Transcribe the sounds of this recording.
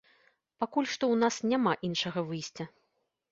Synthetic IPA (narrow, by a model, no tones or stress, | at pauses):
pakulʲʂt̪ɔwnasnʲamaʔinʂɐɣɐvɨjsʲt͡sʲɐ